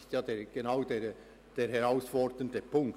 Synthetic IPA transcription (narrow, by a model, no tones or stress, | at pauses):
stjɑːdeːɾɡ̥enaʊdeːɾ | d̥eːɾɦɛɾaʊsfɔɾdəndəpʰʊŋk